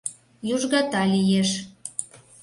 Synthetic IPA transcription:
juʒɣɑt̪ɑlʲijeʃ

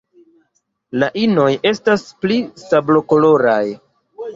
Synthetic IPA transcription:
laʔino̞je̞stasplisablo̞kolo̞ɾa̰j

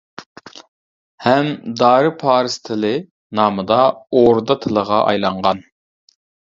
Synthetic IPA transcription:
hɛmd̪ɑːɾɨpʰɑːɾɨst̪ʰɪlɪ | nɑːmɨd̪ɑoɾd̪ɑt̪ʰɨlˠəʁɑʔɑ̰jlˠɑɴʁɑn

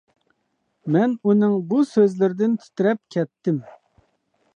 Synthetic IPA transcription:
mɛnunɪŋbusøzlɪɾɪd̪ɪnt̪ʰy̥t̪ɪɾɛp̚kʲʰɛt̪ːɪm

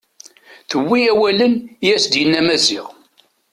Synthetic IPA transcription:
θəwːiæwælənjæsd̪jənːæmæziʁ

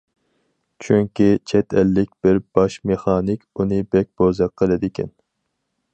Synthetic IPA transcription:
t͡ʃʰyŋkʲit͡ʃʰɛt̪ʰɛlːɪkʲb̥ɪɾb̥ɑʃmeχɑːnɪkʲunɨbɛk̚ʲbozɑqʰːəlˠɨd̪ɪkʲʰɛ̰n

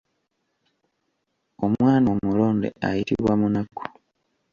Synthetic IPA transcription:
omwaːnomuloːndḛʔa̰jitḭɾwamunaku̥

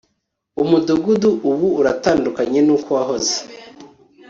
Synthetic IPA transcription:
umuduɡuduʔuβuːɾataːndukaɲe̞nuːkowaɦo̞ze̥

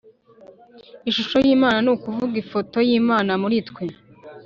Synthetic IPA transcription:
iʃuʃo̞jiːmaːnanuːkuvuɡifo̞to̞jiːmaːnamuɾitkwe

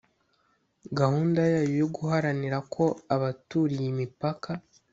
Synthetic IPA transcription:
ɡahuːndajajujoɡuhaɾaniɾakʰo̞aβatuːɾijimipakʰa

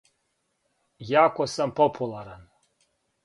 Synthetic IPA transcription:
jakʷʰʼɔsampʰopʰulˠaɾan

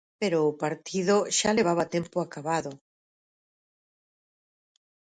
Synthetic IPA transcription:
peɾoːpaɾt̪ʰiðoʃaleβ̞aβat̪empoakaβaðo

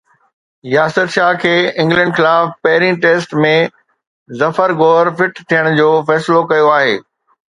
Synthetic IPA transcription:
jaːsət̪ʃaːɦkʰeːɪ̃ŋɡlɛ̃ɳɖxɪlaːfpɐɦɪɾĩʈeːsʈmẽ | zɐfəɾɡoːɾfɪʈt̪ʰijəɽ̃d͡ʑoːfɛːsɪlokɐjoaːɦeː

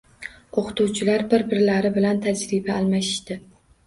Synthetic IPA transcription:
oqʰɨ̥t̪uwt͡ʃʰɪlaɾbɪɾbɪɾlaɾɪbɪlant̪ʰad͡ʒɾɪbaːlˠmaʃɪ̥ʃt̪ɪ

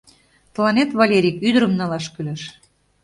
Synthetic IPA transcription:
t̪əlɑnet̪βɑlʲeɾʲikyd̪əɾəmnɑlɑʃkyleʃ

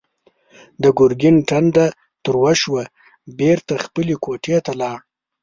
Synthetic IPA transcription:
d̪əɡʊɾɡɪnʈanɖ̪a | t̪əɾwaʃwa | beɾt̪axpəlekoʈʰet̪alɑɽ

